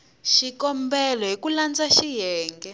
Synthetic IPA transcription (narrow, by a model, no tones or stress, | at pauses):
ʃikɔmbɛlɔɦikuland͡zaʃijɛːŋɡɛ